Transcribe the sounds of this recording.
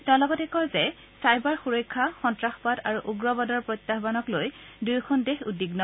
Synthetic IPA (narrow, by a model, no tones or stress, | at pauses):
tɛ̃lɔɡɔtɛkɔɹzɛ | sajbaɹxuɹɔjkʰːaxɔntɹaxpadaɹuʔuɡɹɔbɔdɔɹpɹojt̪ːaɦbanɔklojdujkʰɔndexudiɡnɔ